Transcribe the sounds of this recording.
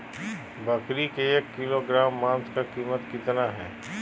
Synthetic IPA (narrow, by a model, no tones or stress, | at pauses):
bɐkɾikeeːkːɪloɡɾaːmːãːnskakiːmət̪kɪt̪naɦɛ̰ː